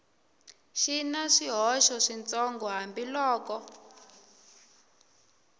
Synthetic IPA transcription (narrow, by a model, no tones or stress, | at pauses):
ʃinaʂiɦɔʃɔʂint͡sɔŋɡɔɦambilɔːkɔ